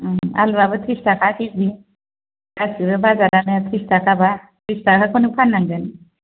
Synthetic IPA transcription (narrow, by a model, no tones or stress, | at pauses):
a̰lɾabɯt̪ʰɾistakʰakizi | kasiɾɯbazaɾanɯt̪ʰɾistakʰaba | t̪ʰɾistakʰakʰɔnupʰanːaŋɡani